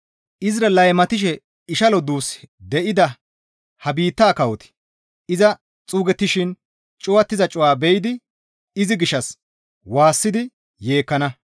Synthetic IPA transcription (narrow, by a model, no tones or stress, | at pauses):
ʔɪzɾɐlɐjmɐt̪ɪʃ̬ɛ | ɪʃɐlɔd̪uːsd̪ɛʔɪd̪ɐ | hɐbiːt̪ːaːkɐwɔt̪ɪ̥ | ʔɪzɐ | t͡sʼuːɡɛt̪ːɪʃɪn | t͡ʃʼʊwɐt̪ːɪzɐt͡ʃʼʊwaːbɛjd̪ɪ | ɪzɪɡɪʃːɐs | waːsːɪd̪ɪ | je̞ːkːɐnɐ